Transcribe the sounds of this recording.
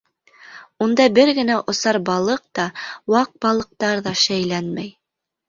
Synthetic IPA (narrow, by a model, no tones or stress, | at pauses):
und̪ɑbɘɾɡɘ̆næʔŏsɑɾbɑlˠɤq̚t̪ɑwɑq̚bɑlˠɤ̆q̚t̪ɑɾðɑʃæjlænmæj